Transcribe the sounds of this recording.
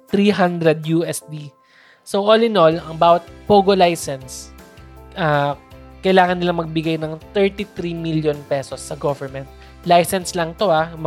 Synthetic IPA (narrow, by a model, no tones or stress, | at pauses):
t̪ɾiɦand̪ɾɛd̪̚juɛsd̪i | sowʔolɪnolɐŋbaːwɐt̪̚poːɡolajsɛns | ʔaːkɐjlaːŋɐnːɪlaŋmɐɡ̚bɪɡajnɐŋt̪ɛɹt̪iθɾimiljonpɛsosːɐɡovɛɹmɛnt̪̚ | lajsɛnslɐŋt̪o̞am